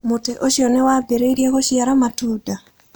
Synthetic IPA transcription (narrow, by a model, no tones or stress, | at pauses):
mʊteʔoʃjɔnɛwabeɾeiɾjeɡɔʃjaɾamatuda